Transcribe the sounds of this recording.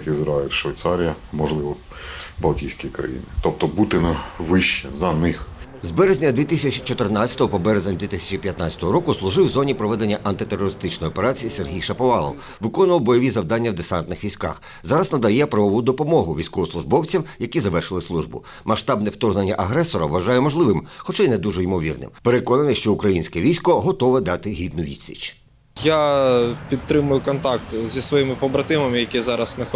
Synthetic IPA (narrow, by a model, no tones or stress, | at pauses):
kizɾɑɪlʲʃʋɐjt̪sɑɾʲijɐmɔʒlˠɪʋɔ | bɐlˠtʲijsʲkʲikɾɐ̰jḭnɪt̪ɔp̚t̪ɔbut̪ɪnɐʋɪʃt͡ʃːɛzɐnɪx | zbɛɾezʲnʲɐd̪ʋʲit̪isʲɐt͡ʃit͡ʃɔt̪ernat͡sʲɐ̥t̪ɔɦɔpɔbɛɾezenʲd̪ʋʲit̪ɪsʲɐ̥t͡ʃipʲjɐt̪nɑt͡sʲɐ̥t̪ɔɦɔɾɔkʊslˠʊʒɪwzɔnʲipɾɔʋɛd̪e̞nʲːɐʔɐnt̪ɪt̪erɔɾɪst̪ɪt͡ʃnɔjɔpeɾɑt͡sʲijiserɦʲijʃɐpɔʋɑlˠɔ̰w | ʋɪkɔnʊʋɐwbɔjɔʋʲizɐwd̪ɑnʲːɐwd̪esɑnt̪nɪxʋʲijsʲkɑ̰x | zɑɾɐznɐd̪ɐjɛpɾɐʋɔʋud̪ɔpɔmɔɦʊʋʲijsʲkɔʋɔslˠʊʒbɔwt͡sʲimjɐkʲizɐʋɛrʃɪlˠɪslˠuʒbʊ̰ | mɐʃt̪ɑbnɛwt̪ɔrɦnenʲːɐʔɐɦɾɛsɔɾɐ̰ʋːɐʒɑjɛmɔʒlˠɪʋɪmxɔt͡ʃɛined̪uʒɔimɔʋʲḭrnɪ̰mpeɾekɔnɐnɪʃt͡ʃɔukɾɐjinʲsʲkɛʋʲijsʲkɔɦɔt̪ɔʋɛd̪ɑt̪ɪɦʲid̪nʊʋʲḭd̪ʲsʲḭt͡ʃ | japʲid̪̚t̪ːɾɪmʊjʊkɔnt̪ɑkt̪zʲisʋɔjimɪpɔbɾɐt̪ɪmɐmɪjɐkʲizɑɾɐsnɐx